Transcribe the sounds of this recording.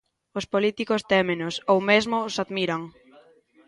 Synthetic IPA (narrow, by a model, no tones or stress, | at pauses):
ʊspolit̪ikʊst̪ɛmẽnʊsowmezmʊːsaðmiɾaŋ